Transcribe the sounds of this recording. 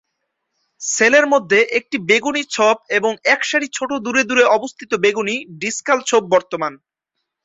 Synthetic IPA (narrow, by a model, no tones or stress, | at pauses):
seleɾmod̪ʱːeʔek̚ʈibeɡunit͡ɕʰob̚eboŋɛkʃaɽit͡ɕʰoʈod̪uɾed̪uɾeɔbost̪ʰit̪obeɡuniɖiskalt͡ɕʰob̚ːɔɾt̪oman